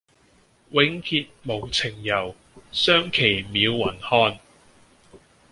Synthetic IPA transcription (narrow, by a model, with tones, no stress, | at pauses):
wɪ˨˥ŋhʰiː˧t̚mo˨˧wt͡sʰɪ˨˩ŋjɐ˨˩w | sœː˥ŋkʰe˨˩jmiː˨˧wːɐ˨˩nhɔː˥n